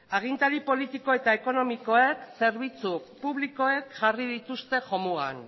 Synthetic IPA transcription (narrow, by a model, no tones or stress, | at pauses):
aɣ̞int̪aɾipo̞lit̪iko̞e̞t̪aeko̞no̞miko̞ekse̞ɾβ̞it͡supuβliko̞e̞kʝarið̞it̪ust̪e̞ʝo̞mua̰n